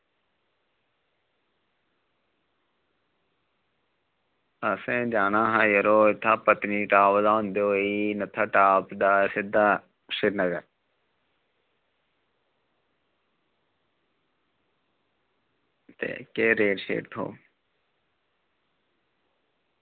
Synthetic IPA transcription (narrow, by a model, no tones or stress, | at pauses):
əsẽːd͡ʒaːnaːɦãːjəɾoːɪt̪ʰːaːpət̪niːʈaːʋzaːɦʊ̃nd̪eːɦoːiːnət̪ʰːaːʈaːpd̪aːsɪd̪aː | ʃɪɾnəɡəɾ | t̪ḛːkeːɾeːɖʃḛːʈt̪ʰo̰ː